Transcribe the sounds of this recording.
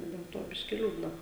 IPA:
dʲɛlˠ ˈtoː ˈbʲɪʃʲkʲɪ ˈlʲuːdnɐ

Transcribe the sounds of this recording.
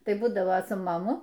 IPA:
ˈtɐɪ ˈbuːdɐʋoː sʊ mɐˈmʊ

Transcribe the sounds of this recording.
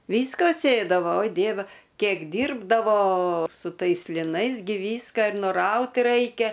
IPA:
ˈʋʲiːskɐ ˈsʲeːdɐʋoː oːɪ ˈdʲiɛʋʲɛ ˈkʲiɛk ˈdʲiːrbdɐʋoː sʊ ˈtɐɪs lʲɪˈnɐɪs ˈɡʲɪ ˈʋʲiːskɑː ɪr ˈnʊrɐʊt ˈrɐɪkʲɛ

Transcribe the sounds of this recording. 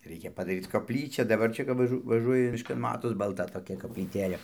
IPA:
ˈrʲɛɪkʲɛ pɐdɐˈrʲiːt͡s koːpʲˈlʲiːt͡ʃʲɛ dɐˈbɐr ˈt͡ʃʲɛ kɐp ʋɐˈʒʊ ʋɐˈʒuɔjɪ mʲɪʃˈkɐn ˈmɑːtoːs bɐlˠˈtɐ toːˈkʲɛ koːpʲlʲiːˈtʲeːlʲeː

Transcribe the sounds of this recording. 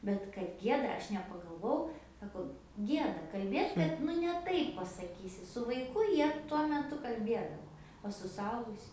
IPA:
ˈbʲɛt kɐt ˈɡʲiɛdɐ ˈɐʃ nʲɛpɐɡɐlˠˈʋoːjɛʊ ˈsɑːkoː ˈɡʲiɛdɐ kɐlʲˈbʲeːt ˈbʲɛt nʊ nʲɛ ˈtɐɪp pɐsɐˈkʲiːsʲɪ sʊ ʋɐɪˈkʊ ˈjiɛ tuɔ mʲɛˈtʊ kɐlʲˈbʲiɛdɐʋoː oː sʊ sʊˈɐʊɡʊsʲʊ

